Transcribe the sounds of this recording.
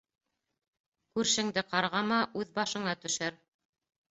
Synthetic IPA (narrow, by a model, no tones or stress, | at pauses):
kʉɾʃɘ̆ŋd̪ɘqɑɾʁɑmɑʔʉðbɑʃɤ̆ɴɑt̪ɵ̆ʃæɾ